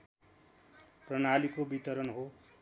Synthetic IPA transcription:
prʌnalikobit̪ʌɾʌnɦo

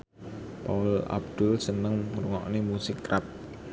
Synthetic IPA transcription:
paʊla̰b̚d̪̥ʊlsənəŋɾuŋɔ̰ʔnemusɪkːrap̚

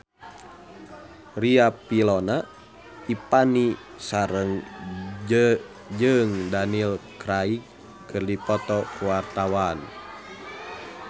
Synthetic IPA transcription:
riapilɔna | ipani | saɾəŋ | d͡ʒɨŋdanilkɾaikː | ɨrdipɔt̪ɔkuwart̪awan

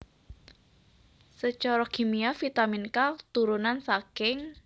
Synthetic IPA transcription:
sət͡ʃɔɾɔkʰimiafit̪aminkat̪uɾunansakɪŋ

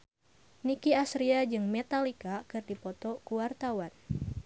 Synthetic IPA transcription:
nikiasɾiad͡ʒɨŋmet̪alikakɨrdipɔt̪ɔkuwart̪awan

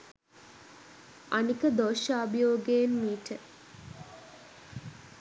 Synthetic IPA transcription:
anikəd̪oʃaːbijoːɡejenmiːʈə

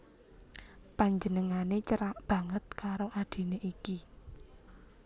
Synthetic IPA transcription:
paɲd͡ʒənəŋanet͡ʃəɾaʔb̥ä̤ŋət̪̚kaɾoʔad̥i̤neʔiki

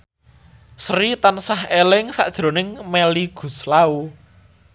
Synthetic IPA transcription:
sɾit̪ansahelɪŋsa̰ʔd̥ʒ̥ɾo̤nɪŋmeliɡ̥ṳslau

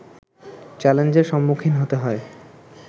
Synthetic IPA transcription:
t͡ɕɛlend͡ʑeɾʃɔmːukʰinɦot̪eɦɔe

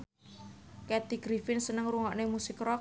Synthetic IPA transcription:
kɛd̪iɡ̥ɾifɪnsənəŋruŋɔʔnemusɪkrɔ

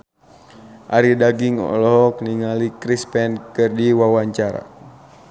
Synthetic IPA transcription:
ʔaɾidaɡiŋɔ̰lɔɔk̚niŋalikɾispɛnkərdiwawaɲt͡ʃaɾa̰

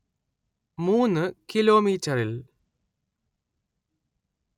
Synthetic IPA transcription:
muːnːɨkilo̞ːmiːtːɐril

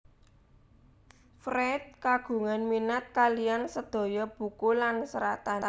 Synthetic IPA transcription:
fɾɛt̪̚kaɡ̥ṳŋanminat̪̚kalijansəd̪̥o̤jɔb̥ṳkulansəɾat̪aa

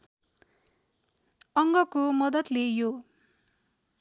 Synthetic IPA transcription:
ʌŋɡʌkomʌd̪ʌt̪lejo

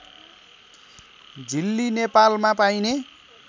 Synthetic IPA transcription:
d͡zilːinepalmapajne

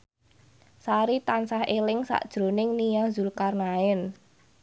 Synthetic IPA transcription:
saɾit̪ansahelɪŋsa̰ʔd̥ʒ̥ɾo̤nɪŋnijazulkarnaɪn

